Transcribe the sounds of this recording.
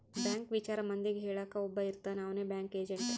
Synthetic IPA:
bɛ̃ːŋkʋit͡ʃaːɾamɐnd̪iɡʱeːɭakaʊbəiɾt̪anaːʋnebɛ̃ːŋkeːd͡ʒəɳʈ

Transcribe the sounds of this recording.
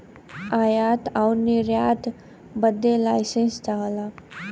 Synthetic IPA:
aːjaːt̪awniɾjaːt̪ | bəd̪elaːjsẽnstaːlaː

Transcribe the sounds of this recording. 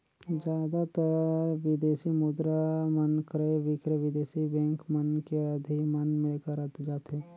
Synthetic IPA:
d͡ʒjaːd̪at̪əɾɾʋɪd̪eːsimud̪ɾamənkəɾeʋɪkɾəʋɪd̪eːsibɛ̃ːŋkmənkeəd̪ʱimənmẽkəɾət̪d͡ʒaːt̪eː

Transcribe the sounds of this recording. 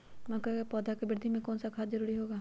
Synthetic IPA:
mɐkapɔːd̪ʱakebɪɾd̪ʱimẽkɔːnsakʰaːt̪zɐɾuːɾiɦoːɡaː

